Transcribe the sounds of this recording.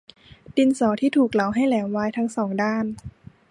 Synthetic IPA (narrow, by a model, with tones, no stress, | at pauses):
di˧nsɔː˩˦t̪ʰiː˥˩t̪ʰuː˨˩k̚la˩˦wɦa˥˩jlɛː˩˦wwaː˧˥jt̪ʰa˧˥ŋsɔː˩˦ŋdaː˥˩n